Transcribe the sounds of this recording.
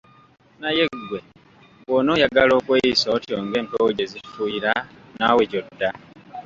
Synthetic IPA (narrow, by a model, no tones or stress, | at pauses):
naje̞ɡwe̞ | woːno̞ːjaɡalo̞ːkwejisootjoːŋɡe̞ːmpowɟe̞zifuiɾa | naweco̞dːa